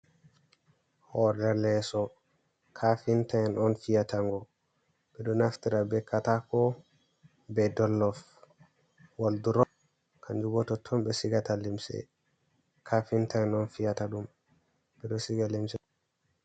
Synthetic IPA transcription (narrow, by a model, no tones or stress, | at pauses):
hɔdɛlɛsɔ | kʰafintaɛnɔnfijatʰaŋɡɔ | ɓɛɗɔnaftiɾabɛkːatakɔ | bɛdɔlːɔf | walduɾɔ | kʰaɲd͡ʒuɡɔtɔtʰːɔmbɛsiɡatalimsɛ̰ | kʰafintaɛnɔnfijataɗum | bɛɗɔsiɡalimsɛ